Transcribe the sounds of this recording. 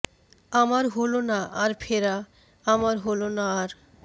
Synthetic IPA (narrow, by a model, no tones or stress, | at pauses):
amaɾɦolonaʔaɾfʰeɾa | amaɾɦolonaːɾ